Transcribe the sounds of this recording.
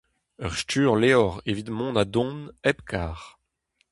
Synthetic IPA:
œʁstyːʁleɔʁevit̪mɔ̃ːnad̪ɔ̃nɛpkʰaːʁ

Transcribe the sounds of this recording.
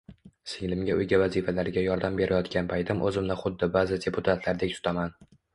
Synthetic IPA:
sɪŋlɪmɡʲaʊjɡʲavazifalaɾɪɡʲajɒɾd̪ambe̞ɾʔajɒt̪kʲanpʰajt̪ʰɪmʔɵzɪmnɪχʊd̪ːɪbazɪd̪ʲe̞pʰʊt̪ʰat̪ʰlaɾd̪ek̚ʲsʊ̥t̪ʰaman

